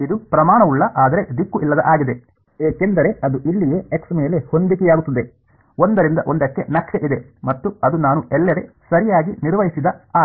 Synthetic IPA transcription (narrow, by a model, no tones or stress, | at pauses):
id̪upɾɐmaːɳɐuɭːɐʔaːd̪ɐɾe̞d̪ikːuʔilːɐd̪ɐʔaːɡid̪e̞ | eːkend̪ɐɾe̞ɐd̪uʔiɭːijeːeksme̞ːle̞ho̞nd̪ikijaːɡut̪ːɐd̪e̞ | o̞nd̪ɐɾind̪ɐʔo̞nd̪ɐkːe̞̰nɐkʂeʔid̪e̞ | mɐt̪ːuɐd̪unaːnuʔɛlːɐɾe | sɐɾijaːɡiniɾʋɐɦisid̪ɐaː